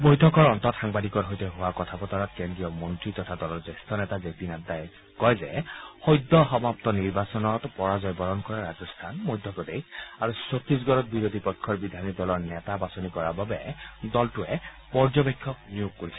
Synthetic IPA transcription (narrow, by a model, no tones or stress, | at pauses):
bojtʰɔkɔɹɔntɔtxaŋbadikɔɹɦɔjtɛɦʊwakɔtʰapɔtɔɹɔtkɛndɹijɔmɔntɹitɔtʰadɔlɔɹzɛstʰɔnɛtazepinadaj | kɔjzɛxɔjdːɔxɔmaptɔniɹbasɔnɔtpɔɹazɔjbɔɹɔnkɔɹaɹazɔstʰanmojdʱjɔkɔdekaɹusotɹis̬ɡɔɹɔt̚biɹod̪ʱipɔjkʰːɔɹbid̪ʱanidɔlɔɹnɛtabasonikɔɹababɛdɔltʊɛ | pɔɹzɔbekʰːɔk̚nijokkoɹisɛ